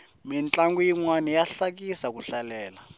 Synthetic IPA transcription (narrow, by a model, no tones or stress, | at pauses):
mint͡ɬʼaŋɡujiŋwanijaɬak̬isak̬uɬalɛːla